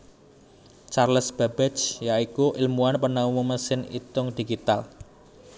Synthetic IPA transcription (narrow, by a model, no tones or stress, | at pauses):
t͡ʃarləsb̥a̤b̥ɛt͡ʃjaikuʔɪlmuanpənauməməsɪnḭt̪ʊŋd̥i̤ɡit̪al